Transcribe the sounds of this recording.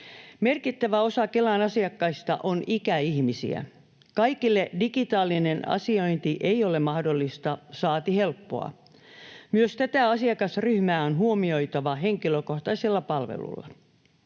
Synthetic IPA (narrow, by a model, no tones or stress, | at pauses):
merkit̪ːæʋæosɑkelɑnɑsiɑkːɑist̪ɑ̰ʔonikæihmisḭæ̰ | kɑikilːedikit̪ɑːlːinenɑ̰sioint̪iʔeiolemɑhdolːist̪ɑsɑːt̪ihe̞lpːo̞̰ɑ̰ | myøst̪æt̪æɑsiɑkɑsryhmæːonɦuomio̞jt̪ɑʋɑɦeŋkiløkoht̪ɑiselːɑpɑlʋḛlṵlːɑ̰